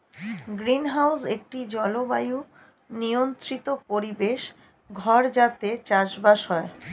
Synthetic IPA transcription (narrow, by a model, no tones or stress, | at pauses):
ɡɾinɦawsek̚ʈid͡ʑɔlobaju | niont̪ɾit̪opoɾibeʃ | ɡʱɔɾd͡ʑat̪et͡ɕaʃbaʃɦɔe